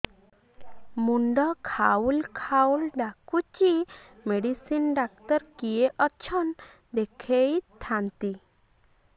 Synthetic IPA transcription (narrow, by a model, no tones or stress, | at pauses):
muɳɖɔkʰaulkʰawlɖakut͡ʃimeɖisinɖak̚t̪ɔɾkijeʔɔt͡ʃʰɔn | d̪ɛkʰejtt̪ʰːant̪i